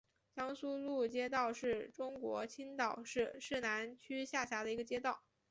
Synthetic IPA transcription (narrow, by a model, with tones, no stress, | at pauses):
t͡ɕjɑ˥ŋsu˥lu˥˩t͡ɕjɛ˥t̪̬ɑ˥˧ʊʂɻ̩˥˩ʈ͡ʂʊ˥ŋkwɔ̰˧˥t͡ɕʰi˥nt̪ɑ˨˩ʊʂɻ̩˥˧ʂɻ̩˥˩na˧˥nt͡ɕʰy˥ɕja˥˩ɕja˧˥d̪ə˧i˧˥ɡə˧t͡ɕjɛ˥t̪ɑ˥˩ʊ